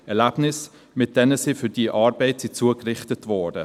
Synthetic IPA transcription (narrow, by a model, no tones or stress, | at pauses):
ɛɾlæb̥nɪs | mɪt̚d̥ɛnəsifʏɾd̥iəʔɑːɾbɛɪtsit͡suːəkɾɪχtətvɔːdə